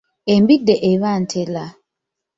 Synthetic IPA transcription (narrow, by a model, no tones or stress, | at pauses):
embideʔeβan̩tʰela